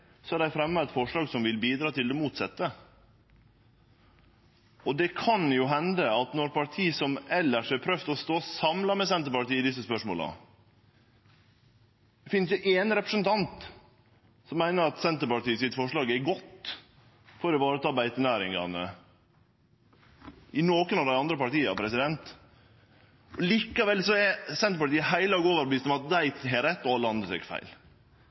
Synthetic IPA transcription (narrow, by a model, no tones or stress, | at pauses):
sɔæɖæɪfɾɛmːəɛt̪fɔʂɭɑːɡsɔmʋɪlbiːd̪ɾɑːt̪ɪld̪ɛmuːt̪sɛt̪ːə | ɔd̪ɛkʰɑnjʊɦɛnd̪əɑt̪nɔɾpɑʈʰiːsɔmɛlːəʂɛpʰɾœft̪ɔst̪oːsɑmlɑmɛsɛnt̪əɾpɑʈiːɪd̪ɪsːəspœʂmo̰ːlɑ̰ | ɛfɪnsd̪ɛʔeːnɾɛpɾəsənt̪ʰɑnt̪ | sɔmːæɪnəɾɑt̪sɛnt̪əɾpɑʈiːəsɪt̪fɔʂɭɑːɡɛɾɡɔt̪ː | fɔɾɔʋɑːɾət̪ɑːbæɪt̪ənæːɾɪŋɑ̰nə | ɪnoːkənɔd̪æɪɑnd̪ɾəpɑʈiːɑ̰pʰɾɛsɪd̪ɛnt̪ | ɔliːkɑʋɛlsɔɛsɛnt̪əpɑʈ̪iːəhæɪlɑɡoːʋəɾbʋiːst̪ɔmɑt̪̚d̪æɪt̪ɦɛɾɛt̪ːɔɑlːəɑnd̪ɾəsɛ̰kfæ̰ɪl